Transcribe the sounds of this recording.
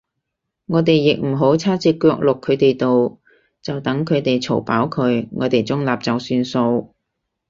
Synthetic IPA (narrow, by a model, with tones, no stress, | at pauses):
ŋɔː˨˧t̪e˨jːɪ˨k̚m̩˨˩ɦo˨˥wt͡sʰaː˥t͡siː˧kːœː˧k̚lʊ˨kʰːɵ˨˧ɥt̪e˨jt̪o˨w | t͡sɐ˨wt̪ɐ˨˥ŋkʰɵ˨˧ɥt̪e˨jt͡sʰo̰˨˩wpa̰ː˨˥wkʰɵ˨˧˥ɥŋɔ̰ː˨˧t̪e˨˩jt͡sʊ˥ŋlaː˨p̚t͡sɐ˨˩wsyː˧nso˧w